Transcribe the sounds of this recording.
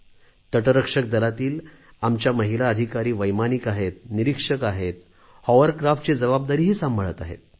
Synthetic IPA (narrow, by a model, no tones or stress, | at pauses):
t̪əʈəɾəkʂək̚d̪əlat̪iːl | amt͡ɕjaməɦilaəd̪ʱikaɾiːʋəjmanikaɦet̪̚niɾikʂəkaɦet̪ | hɔʋəɾkɾafʈ̚t͡sed͡zəbab̚d̪aɾiːɦiːsambʱəɭət̪aɦḛt̪̚